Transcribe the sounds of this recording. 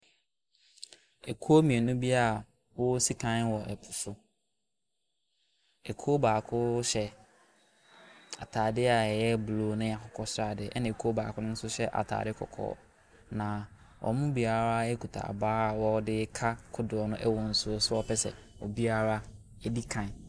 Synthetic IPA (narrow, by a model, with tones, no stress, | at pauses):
ɛ˨kʰu˦o˦mĩ˨ɛ˨nʊ̃˦bi˦a˦a˨ | wɔ˦si˦kʰã˦n˦wɔ˨ʔɛ˨pʰʊ̥˨sʊ˦ | ɛ˨kʰo˦baː˨kʰʊ˦ɕɛ˦ | a̰˨tʰaː˨dɪ˦a˨ɛ˨jɛ˦bloː˨˦nʊ̃˦a˨kʰʊ˨kʰɔ˦sɾa˨dɪ˨ɛ˦nã˨kʰo˦ba̰ː˨kʰʊ˦nʊ̃˦n̩˦sʊ˦ɕɛ˦ʔa̰˨tʰa̰ː˨dɪ˦kʰɔ̰˨kʰɔ̰ː˦˨ | nã˨ | wʔɔ̰˨mʊ̃˦bi˨˦a˦ɾa˦ɛ˦kʰu˨tʰa̰˨a̰˨baː˦a˨wɔ˦dɪ˦kʰa˦kʰʊ˦dʊ˨ɔ˨nʊ̃˦ʔɛ˦wɔ̃˨n̩˨sʊ˦sʊ˦ɔ˦pʰɛ˦sɛ̰˨ | ɔ˨bi˦a˦ɾa˦ | ɛ˦di˦kʰã˨n˨